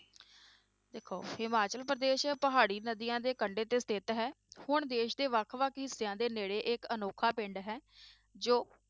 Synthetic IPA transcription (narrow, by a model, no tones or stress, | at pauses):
d̪eːkʰoːhɪmaːt͡ʃəlpɾəd̪eːʃpəɦaːɽiːnəd̪ijãːd̪eːkəɳɖeːt̪eːst̪ʰɪt̪ɦɛː | hʊɳd̪eːʃd̪eːʋəkʰʋəkʰɦɪsːejãːd̪eːneːɽeːʔɪkənoːkʰaːpɪ̃ɳɖɦɛː | d͡ʒoː